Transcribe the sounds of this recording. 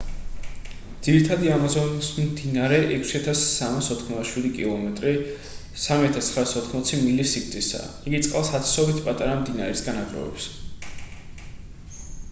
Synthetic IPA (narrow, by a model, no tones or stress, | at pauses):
d̪z̥iɾit̪ʰad̪iamazɔnismd̪inaɾɛʔɛkʰsiat̪ʰasːamasɔt̪ʰχmɔaʃwid̪ikʼilˠɔmɛt̪ʼɾi | samiat̪ʰast̪ʰχɾaːsɔt̪ʰχmɔt̪sʰimilisik̚ʰt̪ʼisa̰ː | iɡit̪sʼqʼalˠsat̪ʰsɔbit̪ʰpʼat̪ʼaɾamd̪inaɾɛsɡanaɡɾɔ̰vɛ̰ps